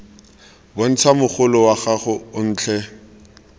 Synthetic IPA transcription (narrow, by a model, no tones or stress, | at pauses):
bɔn̩t͡sʰamʊχʊlɔwaχaχʊʊn̩ːt͡ɬʰɛ